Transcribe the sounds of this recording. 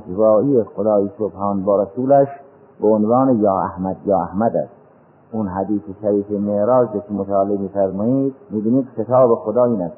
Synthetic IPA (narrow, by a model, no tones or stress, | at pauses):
d͡ʒvɑːʔiːexod̪ɑːjisobhɑːnbɒːɾæsuːlæʃ | beonvɑːnejɑːæhmæd̪jɒːæhmæd̪æ̰st̪ | unɦæd̪iːseʃæɾiːfemeɾɑːzɾoːkʰemot̪ʰæːlemiːfæɾmɑːjid̪̚miːbiːniːd̪xet̪ʰɑːbexod̪ɑːiːnæs